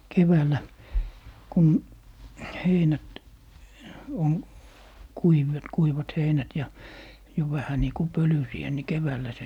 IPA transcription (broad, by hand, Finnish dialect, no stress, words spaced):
keʋæːlæ kun heinæt oŋ kuiʋet kuiʋɑt heinæt jɑ jo ʋæhæ niː ku pølysiæ ni keʋæːlːæ se